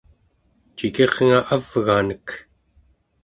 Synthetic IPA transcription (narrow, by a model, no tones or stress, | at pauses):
t͡ʃike̞ʁŋaʔavɣaːnək